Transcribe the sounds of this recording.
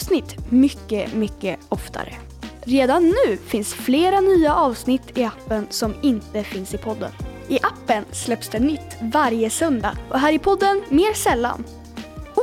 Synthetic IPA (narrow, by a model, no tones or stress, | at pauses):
snɪt̪ːmʏkːəmʏkːəɔft̪ʰa̰ɾə̰ | ɾeːd̪anːʉ̟ːfɪnsfleːɾanyːaʔɑːvsnɪt̪ːɪapːənsɔmɪnt̪əfɪnsɪpʰɔd̪ːə̰nʔɪʔapːənslɛpsd̪ɛnʏt̪ːvaɾjəsœnd̪a̰ʔɔɦæːɾɪpʰɔd̪ːənmeːɾsɛlːa̰n